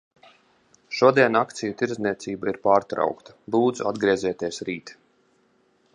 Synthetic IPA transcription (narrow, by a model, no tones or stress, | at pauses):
ʃuɔd̪iɛnakt̪sijut̪iɾzniɛt̪siːbaiɾpaːɾt̪ɾa̰wkt̪ḁbuːd̪zuad̪ɡɾiɛzʲɛt̪iɛsɾiːt̪